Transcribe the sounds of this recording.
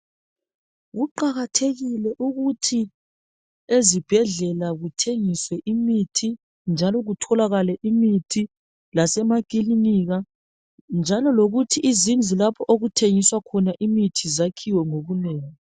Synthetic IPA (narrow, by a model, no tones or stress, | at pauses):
ɣuǃaɣatʰeɣilɛʔuɣutʰi | ezib̥ʱɛɮɛlaɣutʰeŋiswɛʔimitʰi | nd͡ʒʱalɔɣutʰɔlaɣalɛʔimitʰi | lasɛmakiliniɣa | nd͡ʒʱalɔloɣutʰiʔːzind͡zʱilapʰɔʔoɣutʰeŋiswakʰɔnaʔimitʰizakʰiwɛŋoβunɛːŋi